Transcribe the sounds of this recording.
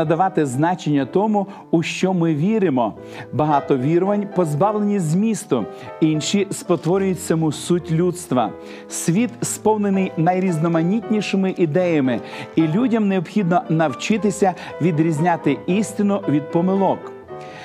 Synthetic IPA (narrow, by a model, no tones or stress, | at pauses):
ɐd̪ɐʋɑt̪ɪznɑt͡ʃenʲːɐt̪ɔmʊ | ʊʃt͡ʃɔmɪʋʲiɾɪmɔ | bɐɦɑt̪ɔʋʲiɾɔʋɐnʲpɔzbɑwlˠenʲizʲmʲist̪ʊ | inʃispɔt̪ʋɔɾʲʊjʊtʲt͡sʲːɐmusutʲlʲut̪st̪ʋɐ̰ | sʲʋʲit̪spɔwnenɪjnɐjɾʲiznɔmɐnʲitʲnʲiʃɪmɪʔid̪ɛjɐmɪilʲudʲɐmneɔbxʲid̪nɔnɐwt͡ʃɪt̪ɪsʲɐ | ʋʲid̪ɾʲizʲnʲat̪ɪisʲt̪ɪnʊʋʲid̪̚pɔmɪlˠɔk